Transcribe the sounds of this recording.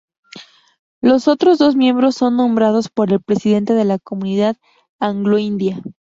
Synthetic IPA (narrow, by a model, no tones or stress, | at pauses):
lo̞so̞t̪ɾo̞zðo̞zmje̞mbɾo̞sːo̞nːõ̞mbɾað̞o̞spo̞ɾe̞lpɾe̞siðe̞nt̪e̞ðe̞lako̞mũniðað | aŋɡlo̞ind̪ja